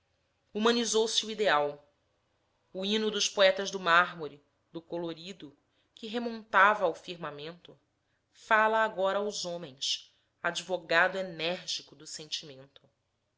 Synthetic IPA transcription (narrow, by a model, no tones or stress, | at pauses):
umɐ̃nizowsɪuid̪eaw | uinʊd̪ʊʃpoɛt̪ɐzd̪ʊmaɦmuɾi | d̪ʊkoloɾid̪ʊ | kɪɦemõnt̪avɐːwfiɾmamẽnt̪ʊ | falɐːɡɔɾɐːwzõmẽj̃s | ad͡ʒivoɡad̪ʊenɛɾʒikʊd̪ʊsẽnt͡ʃimẽnt̪ʊ